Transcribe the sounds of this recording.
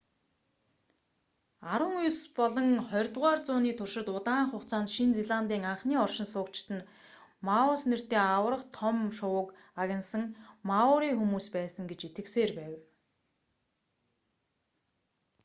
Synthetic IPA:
aɾwə̆ŋujspɔɮɞ̆ŋχɔjrt̪ʁaːrt͡sʊːniːt̪ʰʊrʃɪ̆t̪ʊt̪aːɴχʊχt͡sʰaːnt̪ʃint͡seɮant̪iːŋaɴχniːɔrʃɪ̆nsʊːkt͡ɕt̪ɘ̆n | maʊsner̥t̪eːawə̆rə̆χt̪ʰɔmʃʊwʊ̆k | aɣʲɪ̆nsə̆ŋmaʊɾiːxumuːspæːsə̆ŋɡet͡ɕit̪ɡɘ̆kseːrpæːw

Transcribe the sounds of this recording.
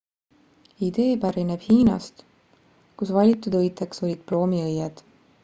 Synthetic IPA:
id̪̥e̞ːpæɾineb̥hiːnɑ̰st̪ | kusvɑlʲit̪ːˑud̪ɤjt̪ːˑekso̞lʲid̪̥̚pro̞ːmiɤjːed̪̥

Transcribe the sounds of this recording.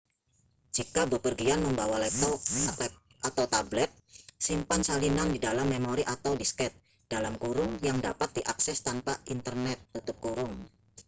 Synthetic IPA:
d͡ʒikabəpərɡianməmbawalɛp̚t̪ɔk̚ɛ | ʔat̪awt̪ablɛt̪̚simpansalinandidalamːemoɾiʔat̪awdiskɛt̪̚ | d̥alamkuɾʊŋjaŋda̰pat̪̚diʔaksɛst̪anpaint̪ərnɛt̪ːut̪ʊp̚kuɾʊŋ

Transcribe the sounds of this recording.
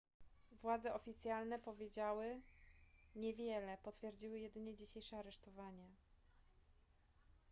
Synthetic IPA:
vwad̪zɛʔɔfʲit̪sʲjalnɛpɔvʲjed͡ʑawɘ | ɲɛvʲjɛlɛpɔt̪fʲjɛɾd͡ʑiwɘjɛd̪ɘɲɛd͡ʑiɕejʂɛaɾɛʂt̪ɔvaɲɛ

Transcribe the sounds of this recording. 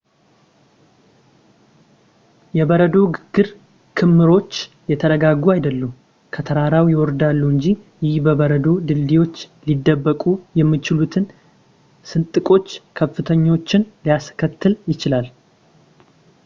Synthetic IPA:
jɛbəɾəd̪o̞ɡɨɾ | kʰɨmːɨɾo̞t͡ʃː | jɛt̪ʰəɾəɡaɡuajd̪əlːum | kʰət̪ʰəɾaɾawjɛwɔɾd̪alːuɨɲd͡ʒijɪhbəβəɾəd̪o̞d̪ɨld̪iwo̞t͡ʃːlid̪ːəbːəkʼujɛmːɨt͡ʃɪlut̪ʰɨn | sɨnt̪ʼɨkʼo̞t͡ʃːkʰəfːɨt̪ʰəɲːot͡ʃːɪnlijaskʰət̪ːɨljɪt͡ʃɪlal

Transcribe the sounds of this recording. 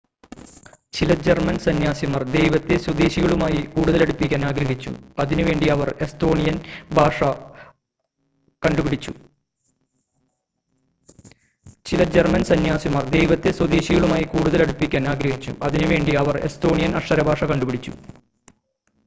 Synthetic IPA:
t͡ɕilɐd͡ʑermɐnsɐnjaːsimɐrd̪e̞jʋɐt̪ːeswɐd̪eːɕiɣɐɭumaːjikuːɽuðɐleɽupːikʲːaːnaːɡɾɐɦit͡ɕːṵɐðinuʋe̞ːɳɖiɐʋɐre̞st̪o̞ːɳijɐnbʱaːʂɐ | kɐɳɖubiɽit͡ɕːu | t͡ɕilɐd͡ʑermɐnsɐnjaːsimɐrd̪e̞jʋɐt̪ːeswɐd̪eːɕiɣɐɭumaːjikuːɽuðɐleɽupːikʲːaːnaːɡɾɐɦit͡ɕːṵʔɐðinuʋe̞ːɳɖiɐʋɐre̞̰st̪o̞ːɳijɐnɐʂɐɾɐbʱaːʂɐkɐɳɖubiɽit͡ɕːṵ

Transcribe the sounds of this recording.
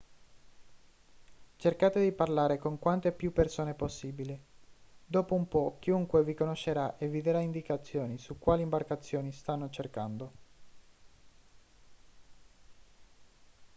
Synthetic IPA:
t͡ʃerkaːt̪ed̪iparlaːɾekoŋkwant̪epːjupːersoːneposːiːbilid̪oːpoumpɔk̟ːiuŋkwevikonoʃːeɾaʔevːid̪eɾaind̪ikat̪sːjoːnisukːwaːlimbarkat̪sːjoːnist̪anːot͡ʃerkand̪o

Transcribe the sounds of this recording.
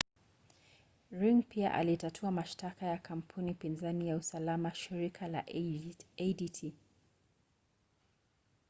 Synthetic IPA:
ɹiŋpia̰ʔa̰litatʰuamaʃtakajakʰam̩pʰunipinzanijausalamaʃiɾikʰala̰ʔɛditʰi

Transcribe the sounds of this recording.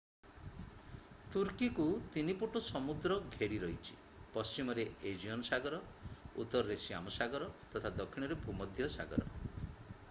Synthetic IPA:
t̪uɾkikut̪inipuʈusɔmud̪ɾɔɡʱeɽiɾɔɦit͡ʃʰi̥ | pɔst͡ʃimɔɾeed͡ʒiɔnɔsaɡɔɾɔ | ṵt̪ːɔɾɔɾesia̰musaɡɔɾɔt̪ɔt̪ʰad̪ɔkʰːiɽ̃ɔɾebʱumɔd̪ʱjɔsa̰ɡɔ̰ɾɔ̰

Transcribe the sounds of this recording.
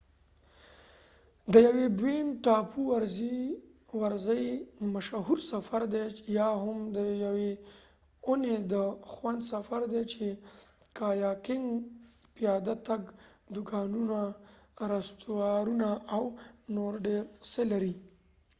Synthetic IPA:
d̪əjawebwenʈɑpʰuwaɾzi | waɾzəjmaʃaɦuɾsafaɾd̪ejɑɦʊmd̪əjawe | oned̪əxwand̪safaɾd̪et͡ʃekɑjɑkɪŋɡpijɑd̪at̪aɡd̪ʊkɑnunaɾast̪uwɑɾunaʔawnoɾɖeɾselaɾi

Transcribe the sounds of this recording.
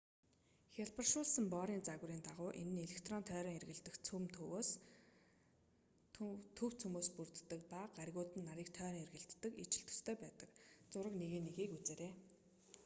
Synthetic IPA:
xʲaɮpə̆rʃʊːɮsə̆mpɔːɾiːnt͡saɣriːnt̪aʁʊːʔenɘ̆neɮekt̪ʰrɔnt̪ʰœːɾɔːŋerɣɘ̆ɮt̪ɘ̆xt͡sʰumt̪ʰɵwoːs | t̪ʰɵw̥t͡sʰumoːspurt̪ːə̆k̚paɢarɣʊːt̪ɘ̆nːaɾiːk̚t̪ʰœːɾɔːŋerɣɘ̆ɬt̪ːə̆kit͡ɕɪ̆ɬt̪ʰɵ̥st̪ʰeːpæːt̪ə̆kt͡sʊɾə̆kneɣiːnːeɣiːkut͡seːɾeː

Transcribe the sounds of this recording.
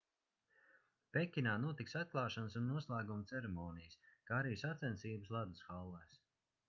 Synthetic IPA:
pekʲːinaːnuɔt̪iksat̪̚klˠɑːʃɔnsunːuɔslˠæːɡumt̪sɛɾɛmɔːnijɨskaːaɾiːsat̪sʲɛnsiːbəslˠad̪usxalˠːɛːs

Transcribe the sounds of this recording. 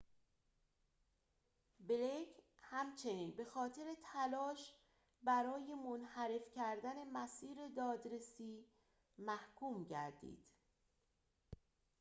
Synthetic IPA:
belecʰhæmt͡ʃʰe̞niːnbe̞xɒːt̪ʰe̞ɾe̞t̪ʰælɒːʃ | bæɾɒːje̞monhæɾe̞fcʰæɾd̪æne̞mæsiːɾe̞d̪ɒːd̪ɾe̞siː | mæhkʰuːmɟæ̰ɾd̪ḭːd̪̥

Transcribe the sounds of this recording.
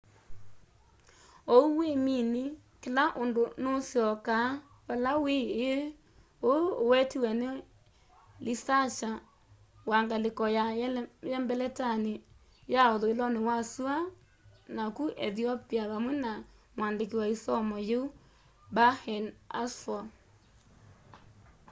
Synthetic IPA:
ouwemini | kelaʔondonosjɔka | βalaweː | oːwɛtiwɛne | lisaʃa | waŋɡalekɔjajɛmbɛlɛtane | jaɔðoelɔnewasua | nakuʔɛθiɔpiaβamwɛnamwandek̬iwaisɔmɔjeu | bahɛnasfɔ

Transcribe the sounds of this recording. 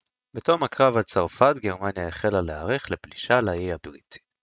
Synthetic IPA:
betomakʁavhat͡saʁfat̪ɡeʁmanjaeχelaleaʁeχlepliʃalajejabʁitʰi̥

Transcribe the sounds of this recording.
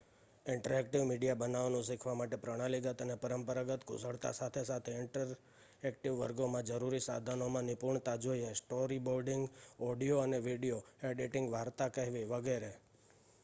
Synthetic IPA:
ɪɳʈəɾɛk̚ʈiʋmiɖijabənaʋnũsikʰʋamaʈepɾəɽ̃aliɡət̪ənepəɾəmpəɾaɡət̪kʰʊ̰səɭt̪a̰sat̪ʰesat̪ʰeɪɳʈəɾ | ɛkʈiʋːəɾɡomãd͡ʒəɾuɾisa̰d̪ʱanomãnɪpuɾɳt̪ad͡ʒoiesʈoɾiboɾɖɪŋɡɔɖijoəneʋiɖijoeɖiʈɪ̃ŋɡʋaɾt̪akəɦʋiʋəɡeɾe

